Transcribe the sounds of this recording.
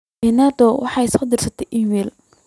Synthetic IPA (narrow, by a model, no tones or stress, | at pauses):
ɛnaːd̪ɔwɑħɑjsɔːd̪ɪrsɐt̪ʰɛjʔiːmɛːl